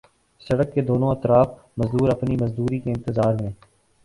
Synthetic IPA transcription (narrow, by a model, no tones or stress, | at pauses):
sɐɽəkːed̪oːnõɐt̪ɾaːf | mɐzd̪uːɾɐpnimɐzd̪uːɾikeɪ̃nt̪əzaːɾmẽː